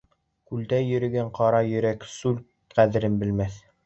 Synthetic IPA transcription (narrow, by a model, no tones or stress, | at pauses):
kʉld̪æjɵ̆ɾɘ̆ɡæɴqʰɑɾɑjɵ̆ɾæksʉl | qæðɘ̆ɾɘnbɘ̆lmæθ